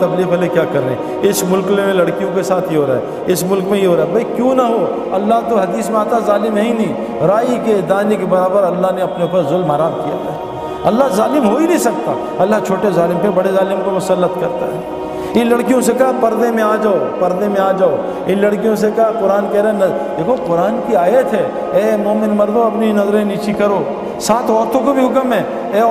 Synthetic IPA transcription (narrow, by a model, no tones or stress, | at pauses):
t̪ɐbliːfɦɐlekjaːkɐɾḛ̃ː | ɪsmʊlkemẽlɐɽkijõkesaːt̪ʰjiɦoːɾaːɦɛ̰ | ɪsmʊlkmẽjiɦoːɾaːɦɛbʱɐikjũːnɐɦo | ɐlːaɦt̪oɦɐd̪iːsmẽaːt̪azaːlɪmnɐɦĩnɐɦĩː | ɾaːiked̪aːnekebɐɾaːbəɾɐlːaɦneɐpneʊpəɾzʊlmaːɾaːmkija̰kaɦɛ | ɐlːaɦzaːlɪmɦoːinɐĩsɐk̚t̪a̰ː | ɐlːat͡ʃʰoːʈezaːlɪmpebɐɽezaːlɪmkomʊsəlːət̪kɐɾt̪a̰ɦɛː | ɪ̃nlɐɽkijõsekɐɦpɐɾd̪emẽaːd͡ʒaːopɐɾd̪emẽaːd͡ʒaːo | ɪ̃nlɐɽkijõs̬ekɐɦqʊɾaːnkɛːɾenɐd̪eːkʰoqʊɾaːnkiaːjət̪ɦɛː | eːmoːmɪnmɐɾd̪õɐpniinɐzɾeeniːt͡ʃikɐɾoː | saːt̪ʰɔːɾt̪õk̬obʱiɦʊkəmɦɛː | eː